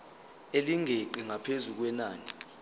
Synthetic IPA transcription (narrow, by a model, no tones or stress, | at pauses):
eliŋʱeǃiŋapʰezuk̬wɛnaːni